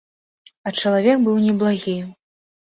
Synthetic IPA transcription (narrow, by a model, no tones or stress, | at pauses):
ɐt͡ʂɐlˠavʲɛkbɨwnʲɛblˠaɣʲi